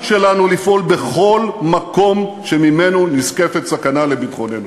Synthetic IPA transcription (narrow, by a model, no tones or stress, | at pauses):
ʃe̞lanulifʔo̞lbe̞χo̞lmako̞mʃemime̞nuniske̞fetsakanale̞bitχo̞ne̞nu